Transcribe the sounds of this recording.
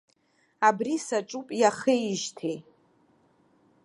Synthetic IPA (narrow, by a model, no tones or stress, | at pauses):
abrisaʈ͡ʂʼupʼjaχejʒtʰe